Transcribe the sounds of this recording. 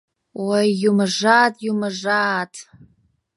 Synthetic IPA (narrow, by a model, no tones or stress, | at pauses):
wajːumɨʐaːtʼjumɨʐaːtʰʼ